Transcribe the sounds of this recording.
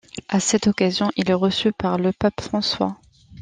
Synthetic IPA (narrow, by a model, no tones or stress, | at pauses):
asɛt̪ɔkazjɔ̃ʔilɛʁəsypaʁləpapfχɑ̃swa̰